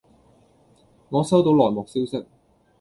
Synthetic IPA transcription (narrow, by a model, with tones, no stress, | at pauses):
ŋɔː˨˧sɐ˥wt̪o˨˥wlɔː˨˩jmɔː˨˩k̚siː˥wsɪ˥k̚